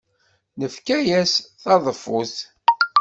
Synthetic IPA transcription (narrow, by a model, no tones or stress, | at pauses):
nəfkæjæsθɑðˤəfʊθ